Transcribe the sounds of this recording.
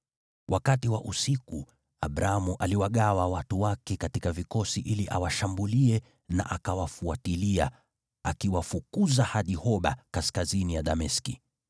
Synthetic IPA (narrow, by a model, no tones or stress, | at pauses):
wʔakatiwa̰ʔusiku | a̰ɓɾaamuʔaliwaɠawawatuwakɛkatikavikɔsiʔiliʔa̰waʃambuliɛ | na̰ʔakawafuatilia | a̰kiwafukuzahaɗihɔɓa̰kaskazinijaɗamɛski